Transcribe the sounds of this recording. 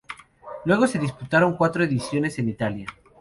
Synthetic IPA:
lwe̞ɣ̞o̞se̞ðisput̪aɾo̞ŋkwat̪ɾoeðisjo̞ne̞se̞nit̪alja

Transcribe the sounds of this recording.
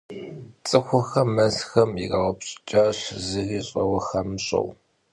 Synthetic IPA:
t͡sʼɨxʷʊxɐmɐzxɐmiɡɐʁʷɐpɕʼɪ̥t͡ʃʼaːɕzɨɣiːɕʼɐwɐxɐmɕʼɐ̰w

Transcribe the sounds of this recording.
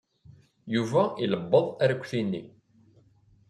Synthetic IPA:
juvæiləbːəðˤæɾkʷːθinːi

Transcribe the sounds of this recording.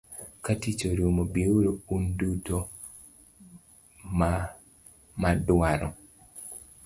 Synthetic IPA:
katit͡ʃoɾumobioɾounduto | ma | madwaɾɔ

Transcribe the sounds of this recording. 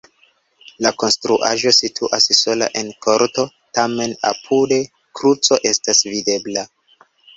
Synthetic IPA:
lako̞nstɾuʔa̰ʒo̞sitʰuʔasso̞la̰ʔe̞nko̞ɾto̞ | tame̞na̰pʰude̞ | kɾut͡so̞ʔe̞stasvide̞bla

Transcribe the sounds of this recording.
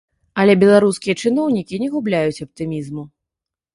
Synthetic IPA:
ɐlʲɛbʲɛlˠaɾuskʲijɐt͡ʂɨnɔwnʲikʲinʲɛɣublʲajut͡sʲɐp̚t̪ɨmʲizmu

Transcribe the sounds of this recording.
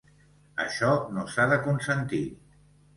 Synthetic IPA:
ə̰ʃɔnosaðəkunsənt̪i

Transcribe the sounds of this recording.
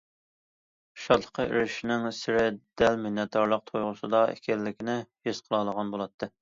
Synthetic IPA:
ʃɑt̪lˠə̥qʰəḭɾɪʃinɪŋsɪɾɪd̪̥ɛlminːɛt̪ʰːɑɾlˠəq̚t̪ʰojʁʊsɨd̪ɑɛ̰kʲʰɛlːɪkʲinɪhesqʰəlˠɑlˠəʁɑnbolˠɑt̪ʰːɨ

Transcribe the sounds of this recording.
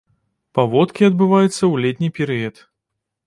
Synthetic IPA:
pavɔt̪kʲiɐd̪̚bɨvajut̪sːɐwlʲɛt̪ʲnʲipʲɛɾɨjɐt̪

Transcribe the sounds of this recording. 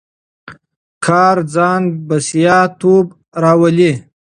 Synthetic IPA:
kʰɑːɾd͡zɑːnbasijɑt̪ob | ɾɑwəli

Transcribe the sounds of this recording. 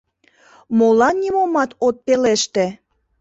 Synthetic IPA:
molɑnnʲimomɑt̪ot̪̚peleʃt̪e

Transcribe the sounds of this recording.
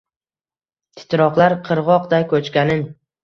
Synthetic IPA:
t̪ʰɪ̥t̪ɾɒqlˠaɾqʰɨɾʁɒqd̪ajkʰɵt͡ʃkʲanɪn

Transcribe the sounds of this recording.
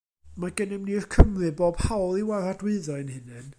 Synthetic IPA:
maɡənɪmnir̥kʰəmrɨboːb̥hawlˠiwaradwɨɨðɔɨnhɨnɨn

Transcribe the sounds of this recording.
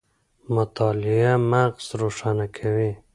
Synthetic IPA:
mʊt̪ɑlɪamaqz̥ɾoʃanakʰawi

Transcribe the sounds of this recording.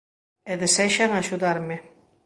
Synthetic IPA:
eðesɛʃanaʃuðaɾme

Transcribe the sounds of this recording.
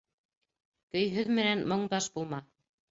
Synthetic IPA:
kɵ̆jɦɵðmɘ̆nænmŏɴd̪ɑʃbulˠmɑ

